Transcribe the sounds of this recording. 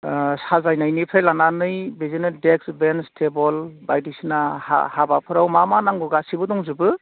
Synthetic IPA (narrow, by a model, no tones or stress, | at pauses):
sazajnajnɯpʰejlananɯjbezinɯdek̚sbenstʰebɔlbajdisinaha̰habapʰɯɾawmamanaŋɡɔɡasibɯdɔŋzubɯ